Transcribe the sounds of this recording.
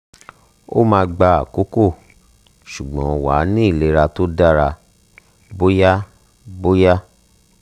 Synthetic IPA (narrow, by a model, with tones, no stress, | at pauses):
o̰˦mãː˧ɡ͡ba˧a̰˨ko˨˦ko˦˨ | ʃu˨ɡ͡bɔ̃˨˦˧wa˨˦nĩ˦i˦˨le˨˧˦ɾa˧to˦da˦˨ɾa˧ | bo˦ja˦ | bo˦ja˦